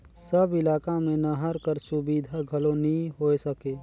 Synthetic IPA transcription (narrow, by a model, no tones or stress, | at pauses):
səbɪlaːkamẽnəɦəɾkəɾsʊbiːd̪ʱaɡʱɐlonĩɦoːesəkeː